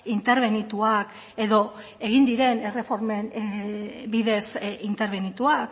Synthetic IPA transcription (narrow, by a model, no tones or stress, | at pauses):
int̪e̞ɾβ̞e̞nit̪uak | e̞ðo̞ | e̞ɣ̞ind̪iɾe̞ne̞re̞fo̞ɾmen | biðe̞sint̪e̞ɾβ̞e̞nit̪uak